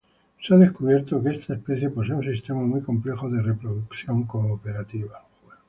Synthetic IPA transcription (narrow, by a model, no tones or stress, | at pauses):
seaðe̞skuβ̞je̞ɾt̪okeest̪ʰaespe̞θje̞poseunsist̪e̞mamujko̞mple̞xoðere̞pɾoðukθjo̞ŋkooːpe̞ɾat̪iβa